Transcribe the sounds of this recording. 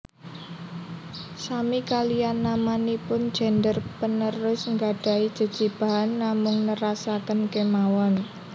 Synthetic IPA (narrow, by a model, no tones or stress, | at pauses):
samikalijanːamanipʊnd̥ʒ̥ɛ̤ndərpənəɾʊsŋɡaɖ̥a̤id̥ʒ̥ə̤d̥ʒ̥i̤b̥a̤ɦanːamʊŋnəɾasakənkemawɔn